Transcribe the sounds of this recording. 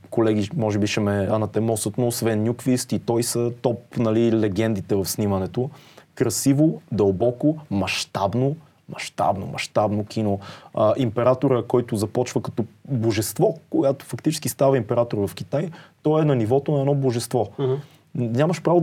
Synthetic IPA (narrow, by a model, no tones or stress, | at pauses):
kolɛɡ̟imɔʒɛbiʃɛmɛɐnɐt̪ɛmɔsət̪noːsvɛnːʲjukvist̪it̪ɔjsət̪ɔpnɐlilɛɡ̟ɛnd̪it̪ɛvɐfsnimɐnɛt̪okɾɐsivod̪ɐlˠbɔkomɐʃt̪abno | mɐ̰ʃt̪a̰bno̰mɐ̰ʃt̪abnok̟ʰʲinoəʔimpɛɾat̪oɾəkɔjt̪ʊzɐpɔt͡ʃvəkɐ̥t̪ɔboʒɛst̪vɔkojat̪o̥fɐkt̪it͡ʃɛ̥sk̟ist̪avɐimpɛɾat̪oɾvɐfkʲit̪ajt̪ɔɛnɐnivɔt̪onɐɛdnɔboʒɛst̪vɔ | nʲaməʃpɾavo